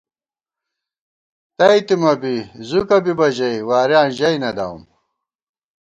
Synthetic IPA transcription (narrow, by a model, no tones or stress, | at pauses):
t̪ɐit̪imɐbizukɐbibɐʑɐjwaːɾjaːnʑɐjnɐd̪a̰w̰m